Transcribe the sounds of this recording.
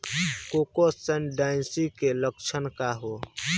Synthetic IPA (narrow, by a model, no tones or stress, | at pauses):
kokosənɖaɪnsikelək̚t͡ʃʰənkaɦo